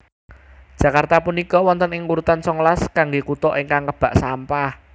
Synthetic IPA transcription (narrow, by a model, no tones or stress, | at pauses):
d̥ʒ̥ä̤kart̪apunikɔwɔnt̪ənɪŋwuɾut̪ansɔŋlaskaŋɡekut̪ɔʔeŋkaŋkəb̥ä̤ʔsampah